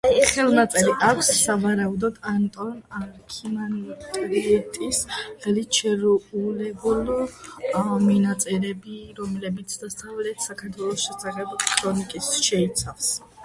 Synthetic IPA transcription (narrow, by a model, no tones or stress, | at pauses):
ajχɛlˠnat̪sʼɛliʔakʷʰsːavaɾaud̪ɔd̪ant̪ʼɔnaɾkʰimantʼɾiɛt̪ʼisχɛlit͡ʃʰɛɾulɛbulˠ | minat̪sʼɛɾɛbiɾɔmlɛbit̪sʰd̪ast̪ʰʼavlɛt̪ʰsakʰaɾt̪ʰwɛlˠɔsʃɛsaʁɛbkʰɾɔnikʼisʃɛit̪sʰafs